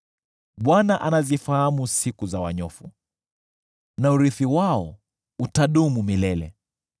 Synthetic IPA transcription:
ɓwanaʔanazifahamusikuzawa̰ɲɔfu | nauɾiθiwaɔ | utaɗumumilɛlɛ̰

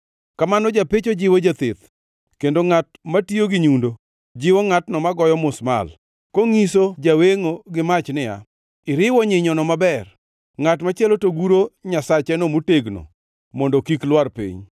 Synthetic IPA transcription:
kamanɔd͡ʒapɪt͡ʃod͡ʒɪwod͡ʒat̪ɪt̪ | kendoŋat̚matioɡɪɲundo | d͡ʒɪwoŋatnɔmaɡɔjɔmʊsma̰l | koŋisod͡ʒaweŋoɡɪmat͡ʃnɪja̰ | ɪɾɪwɔɲɪɲɔnɔmabɛr | ŋatmat͡ʃɪɛlotoɡuɾoɲasat͡ʃɛnomuteɡno̰ | mɔndokiklwarpḭɲ

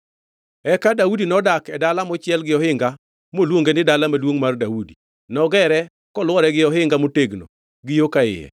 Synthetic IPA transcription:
ɛkadaudinɔdakɛdalamɔt͡ʃɪɛlɡɪɔhɪŋɡa | molwoŋɡenɪdalamalwoŋmardaudi | nɔɡɛɾɛ | kɔlwɔɾɛɡɪɔɦɪŋɡamoteɡno̰ | ɡɪjokaɪ̰jɛ̰

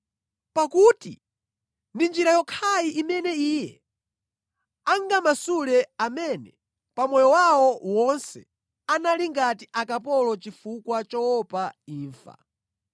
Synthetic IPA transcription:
pakutḭ | ndind͡ʒiɾajɔkʰajiʔimɛnɛiːjɛ | aŋɡamasulɛamɛnɛ | pamɔjɔwawɔwɔnsɛ | analiŋɡatiʔakapɔlɔt͡ʃifukwat͡ʃɔwɔpaiːɱfa̰

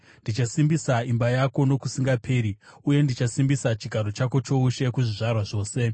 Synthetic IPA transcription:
ndit͡ʃasimbisaimbajako̞no̞kusiŋɡapʰe̞ːɾiuje̞ndit͡ʃasimbisat͡ʃiɡʱaɾot͡ʃako̞t͡ʃo̞uʃe̞kuʐiʐarwaʐo̞ːse̞

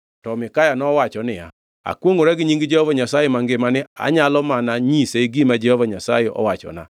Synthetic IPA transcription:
tɔmɪkajanɔwat͡ʃɔnɪa̰ | a̰kwoŋoɾaɡɪɲiŋɡid͡ʒɛhɔvaɲasajɛmaŋɡɪmanɪa̰ɲalɔmanaɲiseiɡimad͡ʒɛhɔvaɲasajeʔɔ̰wat͡ʃɔ̰na̰

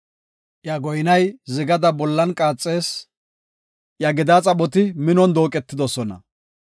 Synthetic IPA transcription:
ʔjɐɡɔjnɐjzɪɡɐd̪ɐbɔlːɐnkʼaːt͡sʼːe̞ːs | ʔjɐɡɪd̪at͡sʼɐbɔt̪ɪmɪnɔnd̪o̞ːkʼɛt̪ːɪd̪ɔsɔnɐ̰

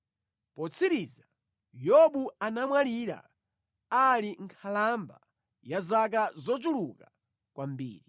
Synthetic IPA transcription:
pɔt͡sʰiɾiza | jɔɓuanamwaliɾa̰ | aliŋkʰalamba | jazak̬azɔt͡ʃuluka | kwambḭːɾi

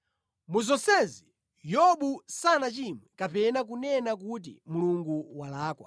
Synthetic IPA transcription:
muzɔsɛzi | jɔɓusanat͡ʃimwɛkapɛnak̬unɛnak̬ut̬ḭmuluŋɡuwalaːkwa̰

